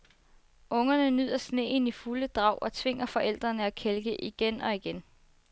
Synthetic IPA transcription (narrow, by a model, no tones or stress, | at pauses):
ɔ̽ŋɐnənyð̞̰ˠɐsne̝̰ːnifuləd̥ʁɑ̈ʊ̰ʔɒ̽t͡sʰʋe̝ŋ̰ɐfɒ̽ʔel̰d̥ʁɐnəækʰelɡ̥əʔiɡ̥enɒ̽iɡ̥en